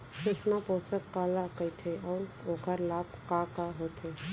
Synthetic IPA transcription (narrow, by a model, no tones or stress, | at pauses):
sʊsmapoːsəkkaːlakəit̪ʰeʔɔːɾoːkəɾlaːpkaːkaɦot̪ʰeː